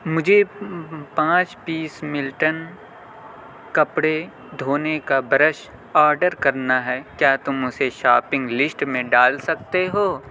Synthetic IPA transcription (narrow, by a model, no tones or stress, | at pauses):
mʊd͡ʒʱe | pãːt͡ʃpiːsmɪlʈən | kɐpɽe | d̪ʱoːnekabɾəʃ | aːɾɖəɾkɐɾnaɦɛːkjaːt̪ʊmʊseʃaːpɪ̃ŋɡlɪsʈmẽɖaːlsɐk̚t̪eɦoː